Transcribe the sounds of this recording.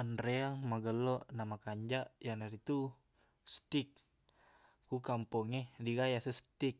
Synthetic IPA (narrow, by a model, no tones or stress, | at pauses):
anɾɛaŋmaɡəlɔʔnamakaɲd͡ʒaʔjanaɾit̪u | st̪ik̚ | kukampɔŋɛdiɡajasust̪ik̚